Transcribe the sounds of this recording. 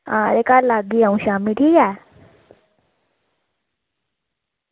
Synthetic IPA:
aɾekalaɡiːãw̃ɕamiːʈʰija

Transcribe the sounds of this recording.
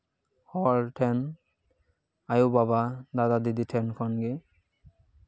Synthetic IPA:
hɔɹtʰɛn | ajubaβadadadiditʰɛnkʰɔnɡe

